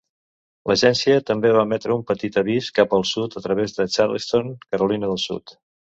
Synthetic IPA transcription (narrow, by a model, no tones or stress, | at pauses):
ləʒɛnsiət̪əmbeβamɛt̪ɾəumpət̪it̪əβ̞iskapəlˠsut̪ət̪ɾəβ̞ezðət͡ʃaɾlst̪oŋkəɾulinəðəlˠsṵt̪